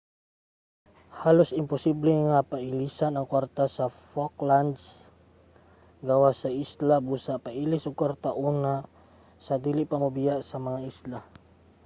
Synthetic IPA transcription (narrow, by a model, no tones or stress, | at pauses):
halusimpɔsiblɛŋapailisanaŋkwart̪asafɔkland̪s | ɡawasaislabusapailisukart̪aʔuna | sad̪iliʔpamubiaʔsamaŋaisla